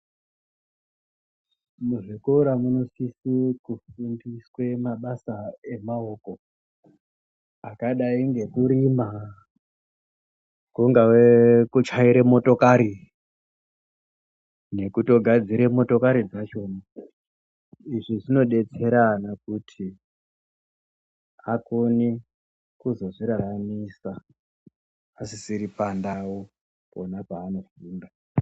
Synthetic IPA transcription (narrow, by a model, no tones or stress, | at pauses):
muʐikuuɾamuno̞sisikufundiswe̞maɓasae̞mao̞ko̞ | akaɗaiŋɡe̞kuɾima | kuŋɡawekut͡ʃaiɾemo̞to̞kaɾi | ne̞kuto̞ɡʱad͡ziɾe̞mo̞to̞kaɾid͡zat͡ʃo̞ːna | iʐiʐino̞ɗe̞t͡se̞ɾanakutʰi | akoni | kuzo̞ʐiɾaɾamisa | sisiɾipandawo | ponapaːno̞fuːnda